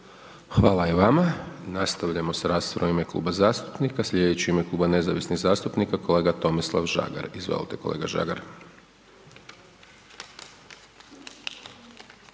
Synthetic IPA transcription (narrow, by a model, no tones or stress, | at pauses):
xʋaːlaiʋamanast̪aʋʎamo̞saɾaːst̪oɾomime̞klṵːbazaːst̪u̥pnikaslʲʎed̪et͡ɕiime̞klˠuːbane̞zaʋisniɣzaːst̪upnikako̞le̞ːɡat̪o̞mislˠa̰ʋʒa̰ɡa̰ɾizʋḛlit̪ekolḛɡaʒa̰ɡaɾ